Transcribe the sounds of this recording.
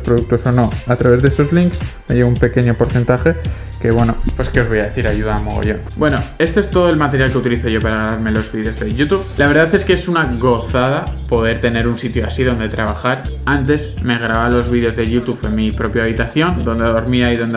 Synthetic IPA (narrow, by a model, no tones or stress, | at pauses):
spɾoðuk̚t̪o̞so̞no̞at̪ɾaβe̞zðeeso̞zliŋksmeʝeβumpe̞ke̞ɲo̞po̞ɾθe̞nt̪axe̞ | ke̞βwe̞nopweske̞o̞zβo̞jaðe̞θiɾaʝuðaːmo̰ɣ̞o̰ʝo̞̰nbwe̞no̞e̞st̪o̞e̞st̪o̞ðo̞e̞lmat̪eɾjalkeut̪iliθo̞ʝo̞paɾaɣaβaɾme̞lo̞zβiðeo̞zðe̞ʝut̪uβlaβe̞ɾðaθe̞skeesunaɣo̞θað̞apo̞ð̞e̞ɾt̪e̞ne̞ɾunsit̪joasiðo̞nd̪e̞t̪ɾaβ̞axaɾant̪̬e̞sme̞ɣ̞ɾaβalo̞zβiðeo̞zðe̞ʝut̪uβemipɾo̞pjaβ̞it̪aθjo̞nd̪o̞nd̪aðo̞ɾmiaiðo̞nd̪